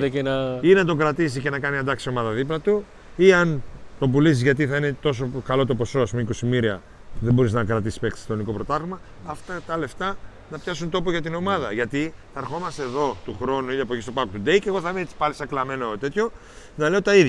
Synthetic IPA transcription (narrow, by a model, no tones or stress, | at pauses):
t̪ekenɐinɐt̪̬o̞kɾɐt̪is̬ice̞nɐkɐniɐnd̪ɐksio̞mɐðɐðiplɐt̪u | iɐnt̪o̞bulisizʝɐt̪̬iθɐine̞t̪o̞s̬o̞kɐlo̞t̪o̞po̞so̞ɐspumeiko̞simiɾiɐ | ðembo̞ɾiznɐkɾɐt̪isi̥spe̞ksi̥st̪oniko̞pɾo̞t̪ɐɣmɐː | ft̪ɐt̪ɐle̞ft̪ɐ | nɐpçɐsunt̪o̞poʝɐt̪ino̞mɐðɐʝɐt̪iθɐːɾxo̞mɐst̪eːðo̞t̪uxɾo̞nuiɐpoʝist̪opɐkut̪ud̪e̞jce̞ɣo̞θɐmesi̥pɐlisɐklɐme̞not̪e̞t̪ço̞ | nɐle̞ot̪ɐiðɐ